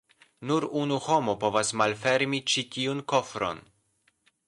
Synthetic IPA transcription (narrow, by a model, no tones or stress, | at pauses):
nuɾunuho̞mopo̞vasmalfe̞ɾmit͡ʃitiunko̞fɾo̞̰n